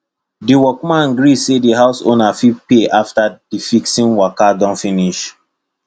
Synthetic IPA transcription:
diwɔkmãnɡɾisediɦaʊso̰nafipeʔaftad̥ifiksĩnwakadɔ̃nfĩniʃ

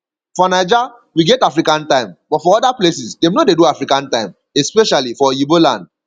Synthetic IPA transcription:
fɔnaɪd͡ʒa | wiɡɛtafɹikãntãɪ̃mbɔtfɔɔdaplesisdemnodedoafɹikãntãɪ̃m | ɛspɛʃalifɔibolã̰nd̚

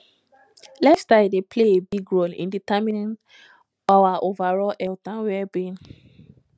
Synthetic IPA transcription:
lɛstadepʰleebiɡɹolḭ̃nditamĩnĩn | awaʔovaɹɔlʔɛltãnwɛbẽn

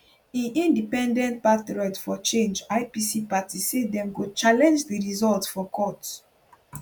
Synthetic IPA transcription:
ĩnʔĩndipɛ̃ndɛ̃ntpatɹɔtfɔt͡ʃẽnd͡ʒaɪpisipatisedɛ̃mɡot͡ʃalɛ̃nd͡ʒdiɹizɔltfɔkʰɔt

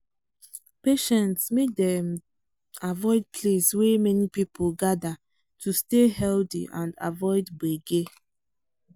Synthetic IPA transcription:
peʃɛ̃ntsmek̚dɛ̃m | avɔɪd̚pʰleswemɛnipipʰolɡada | tʰustehɛldḭʔã̰nda̰vɔɪdbeɡe

